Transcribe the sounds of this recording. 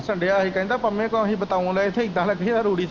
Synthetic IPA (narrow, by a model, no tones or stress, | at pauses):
səɳɖeaːɦiːkɛ̃ːnd̪aːpəmẽːkːɦiːbət̪aːʋõːlɛːɪt̪ʰeːɪɡ̚d̪ãːləɡeːd̪aɾuːɽiːs